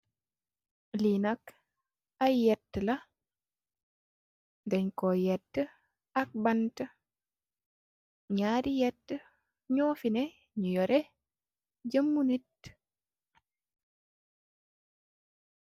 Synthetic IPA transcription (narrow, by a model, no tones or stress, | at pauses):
linak | ajjːɛtːla | dɛɲkɔjɛtːə | ak̚bantə | ɲaːɾijɛtːə | ɲɔːfinɛ | ɲujɔɾe | d͡ʒəmːunit